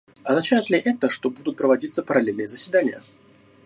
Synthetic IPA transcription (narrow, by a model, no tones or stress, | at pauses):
ɐznɐt͡ɕæjɪt̪lʲɪʔɛt̪əʂt̪o̞bud̪ʊt̪̚pɾəvɐdʲit̪səpəɾɐlʲelʲnɨjəzəsʲvʲɪd̪anʲɪjə